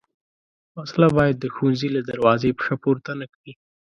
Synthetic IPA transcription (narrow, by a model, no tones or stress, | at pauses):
maslabɑjad̪̚ːəxunzilad̪aɾwɑzepəxapoɾt̪anakawi